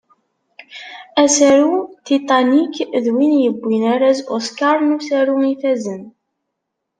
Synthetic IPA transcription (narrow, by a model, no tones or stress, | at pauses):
æsæɾut̪it̪ˤɑnikðwinjəbːinaɾæzoskɑɾˤnusæɾuŋifæzən